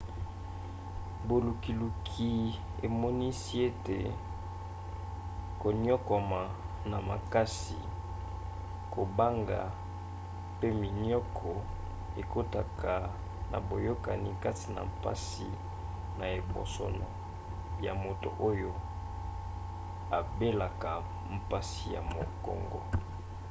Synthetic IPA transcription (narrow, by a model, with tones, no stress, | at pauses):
bo˨lu˨ki˨lu˨kʰi˨ | e˨mɔ˦ni˦si˦e˦te˨ | ko˨niɔ˦kɔ˨ma˨ | na˨ma̰˨ka˦si˨ | ko˨ba˦ŋɡa̰˨ | pe˦mi˨n˦ɔ˦kʰɔ˨ | e˨ko˦ta˨kʰa˨ | na̰˨bo˨jo˦ka˨ni˨ka˦ti˨na̰˨mpa̰˦si˨ | na˨e˨bo̰˨sɔ̰˨nɔ̰˨ | ja˨mo˨to̰˨ʔo˦jo˦ | a˨be˦la˨ka˨ | m̩˨pa˦si˨ja̰˨mo˨kɔ̰˨ŋɡɔ̰˦